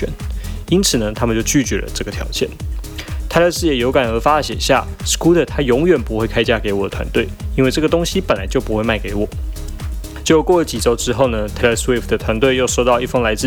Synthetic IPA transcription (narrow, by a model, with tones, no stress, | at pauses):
ɛ̰˨˦ni˥nt͡sʰɹ̩˨˩nə˩˦t̪ʰa˥mə˨t͡ɕjo˥˧ʊt͡ɕy˥˩t͡ɕɥɛ̰˧˥lə̰˧ʈ͡ʂɤ˥˩ɡə˩t̪ʰjɑ̰˧˥ʊt͡ɕjɛ̰˥˩nt̪ʰa˥ɪlə˥˧sɹ̩˥˩jɛ˨˩jo˧˥ka˨˩nɤ˧˥fa˥ə˩ɕjɛ˨˩nɕja̰˥˩sku˥d̪ə˨t̪ʰa˥jʊ˧˥ŋɥɛ˨˩npu˧˥xwe˥ɪkʰa˥ɪt͡ɕja˥ke˧ɪwɔ˨˩d̪ə˦t̪ʰwa̰˧˦nt̪we˥˩ɪi˥nwe˥˧ɪʈ͡ʂɤ˥˩ɡə˩t̪ʊ˥ŋɕi˥pə˨˩nla˧˦ɪt͡ɕjo˥˩ʊpu˥xwe˥˧ɪma˥˩ɪke˧˥ɪwɔ˨˩˦ | t͡ɕjo˥˧kwɔ˥˩lə˧˩t͡ɕi˨˩ʈ͡ʂo˥ʊʈ͡ʂɻ̩˥xo˥˩ʊnə˩t̪ʰa˥lə˧˩swe˥˩fd̪ə˩t̪ʰwa˧˥nt̪we˥˧ɪjo˥˧ʊʂo˥˧ʊt̪ɑ˥˧ʊi˥˩fɤ˥ŋla˧˥ɪt͡sɹ̩˥˩